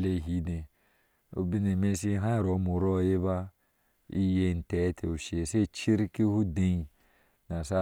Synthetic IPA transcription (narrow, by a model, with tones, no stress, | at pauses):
le˦˨ɦi˨˦dẽ˨ | o̰˨˦bi˦ne˨me˦si˦ɦã˦˨ɾo˨˦mo˨ɾɔ˦˨je˦ba˦ | ḭ˦je˦˨n̩˨tɛ˨˦tʰe˨o˨ʃe˨se˦˨t͡ʃi˦ɾki˦hu˦dẽ˦i˨ | na˨sa˦